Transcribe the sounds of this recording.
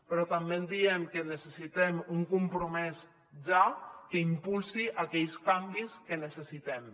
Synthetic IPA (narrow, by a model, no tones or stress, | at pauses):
pɾɔt̪ambend̪iɛmkenəsəsit̪ɛmuŋkumpɾumɛs | ʒakəimpulˠsiʔakɛʎst̪ambiskənəsesit̪ɛm